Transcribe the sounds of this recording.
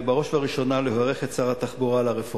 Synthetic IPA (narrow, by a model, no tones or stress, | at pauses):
baʁo̞ʃvaʁiʃo̞naleɦoʁeχett͡saʁat̪aχbuʁalaʁefu